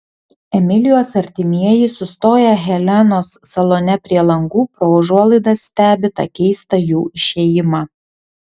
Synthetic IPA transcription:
ɛmʲɪlʲɪjoːsɐɾʲt̪ʲɪmʲiɛjɪsʊst̪oːjɛɣʲɛlʲɛnoːsːɐlˠoːnʲɛpʲɾʲiɛlˠɐŋɡuːpɾoʋɐʒuɔlˠɐɪd̪ɐsːʲt̪ʲæːbʲɪt̪ɐ̰kʲɛɪst̪ɐjuːɪʃʲeːjɪmɑː

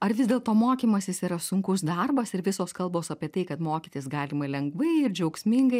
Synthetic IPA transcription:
ɐɾʋʲɪzd̪ʲeːlˠt̪oːmoːkʲiːmɐsʲɪsiːɾɐsʊŋkʊsd̪ɐrbɐsɪɾʋʲɪsoːskɐlˠboːsɐpʲiɛt̪ɐɪkɐt̪moːkʲɪt̪ʲɪsɡɑːlʲɪmɐlʲɛŋɡʋɐɪɪɾd͡ʒʲɛʊksʲmʲɪŋɡɐɪ

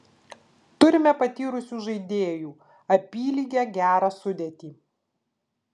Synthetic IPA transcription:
t̪ʊɾʲɪmʲɛpɐt̪ʲiːɾʊsʲuːʒɐɪd̪ʲeːjuː | ɐpʲiːlʲiːɡʲæɡʲæːɾɑsʊd̪ʲet̪ʲiː

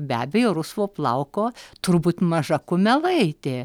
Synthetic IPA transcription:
bʲæːbʲɛjoːɾʊsʋoːplˠɐʊkoːt̪ʊɾbuːt̪mɐʒɐkʊmʲɛlˠɐɪt̪ʲeː

